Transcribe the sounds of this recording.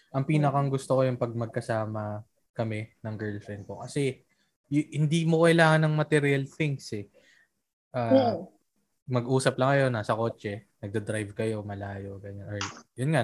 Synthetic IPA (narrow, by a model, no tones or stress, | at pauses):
ʔɐŋpiːnɐkɐŋɡʊst̪okojʊŋpɐɡ̚mɐɡ̚kɐsaːmɐ | kɐmɛnɐŋɡɛːlfɹɛnd̪̚ko̞kɐsɛ | jhɪnd̪iːmokɐɪlaːŋɐnɐŋmɐt̪ɛɾɐlθɪŋsɛ | ʔaː | mɐɡʔuːsɐplɐŋɐjo̞nːasɐko̞ːt͡ʃɛnɐɡ̚d̪ɐd̪ɾajvkɐjo̞mɐlaːjo̞ɡɐɲanʔoɹjonŋa